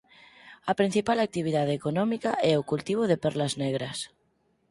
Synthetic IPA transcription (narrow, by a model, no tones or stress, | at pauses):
ɐpɾin̟θipalak̚t̪iβ̞iðað̞eekonɔmikaʔɛokult̪iβ̞oðepɛɾlazneɣ̞ɾɐs